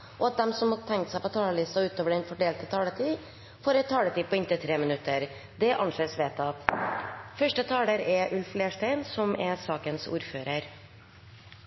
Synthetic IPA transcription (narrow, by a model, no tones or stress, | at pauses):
ʔɔɑt̪̚d̪ɛmsɔmhɑt̪ʰɛŋkt̪sæɪpɔt̪ʰɑːləlɪst̪ɑʉːt̪oːʋəɖɛnfɔɖeːlt̪ət̪ʰɑːlət̪ʰiː | foːɾɛt̪ʰːɑːlət̪ʰiːpʰɔːɪnt̪ət̪ʰɾeːmənʉt̪ːəɾ | d̪ɛʔɑnʂeːsʋeːt̪ɑ | fœʂʈət̪ʰɑːləɾɛʔʉlfleːʂʈæɪnsɔmɛsɑːkənsṵːɾføːɾəɾ